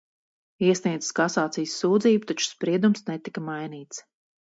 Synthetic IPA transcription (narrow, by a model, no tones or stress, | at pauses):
iɛsniɛd̪zɨ̥skasaːt̪sijsːuːd̪ziːbut̪at͡ʃu̥spɾiɛd̪umsnɛt̪ikɐmajniːt̪s